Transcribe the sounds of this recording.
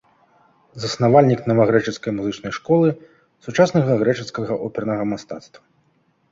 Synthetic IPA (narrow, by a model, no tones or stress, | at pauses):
zɐsnavalʲnʲiknɐvɐɣɾɛt͡ʂɨt̪skɐjmuzɨt͡ʂnɐjʂkɔlˠɨ | sut͡ʂasnɐɣɐɣɾɛt͡ʂɨskɐɣɐʔɔpʲɛrnɐɣɐmast̪at̪st̪vɐ